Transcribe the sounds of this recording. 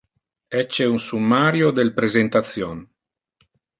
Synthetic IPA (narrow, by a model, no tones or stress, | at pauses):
ɛt͡ʃːeunsumːaɾjod̪elpɾezent̪at̪sjon